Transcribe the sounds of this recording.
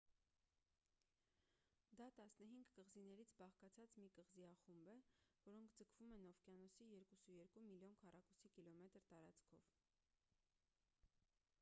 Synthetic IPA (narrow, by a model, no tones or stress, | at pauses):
d̪ɑt̪ɑsnəɦiŋɡkəʁzinɛɾit͡sʰbɑχkɑt͡sʰɑt͡smikəʁziɑχumbəvɔɾɔŋkʰd͡zəkʰvumɛnɔfkjɑnɔsijɛɾkusujɛɾkumiljɔnkʰɑrɑkusikilɔmɛt̪ɾt̪ɑɾɑt͡skʰɔ̰v